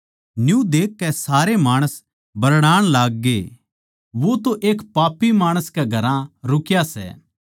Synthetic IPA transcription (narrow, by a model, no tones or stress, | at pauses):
njũd̪eːkːɛsaːɾemaːɽ̃əs | bɐɾɽaːɽ̃laːɡ̚ːeː | ʋot̪oʔeːkpaːpːimaːɽ̃əskeɡʱɐɾãɾʊkjasɛ̰ː